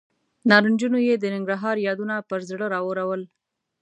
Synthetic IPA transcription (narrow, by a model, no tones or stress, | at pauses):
nɑɾənd͡ʒunojed̪ənɪŋɡɾaɦɑɾjɑd̪unapəɾzɽəɾɑwəɾawəl